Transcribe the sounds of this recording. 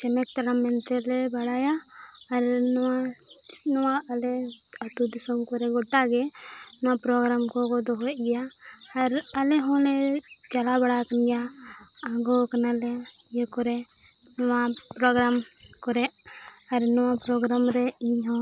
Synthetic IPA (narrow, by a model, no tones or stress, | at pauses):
t͡ʃɛnɛk̚t̪alamɛnt̪ɛlɛbaɽajaː | ɾnɔwa | nɔwaɐlɛ | at̪ud̪isɔmkɔɾɛɡɔʈːaɡɛ | nɔwapɾɔɡɾamkɔɡɔd̪ɔɦɔʔɡɛjaː | ɾalɛɦɔ̃lɛ | t͡ʃalabaɽakənɡja | aɡɔkanalɛ | jɛkɔɾɛ | nɔwa | pɾɔɡɾam | kɔɾɛʔ | aɾnɔwapɾɔɡɾamɾɛiɲɦɔ̃